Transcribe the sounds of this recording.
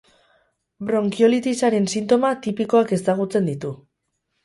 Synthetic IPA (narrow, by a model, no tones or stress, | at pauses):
bɾo̞ŋkio̞lit̪isaɾe̞nsint̪o̞mat̪ipiko̞ake̞saɣ̞ut͡se̞nd̪it̪u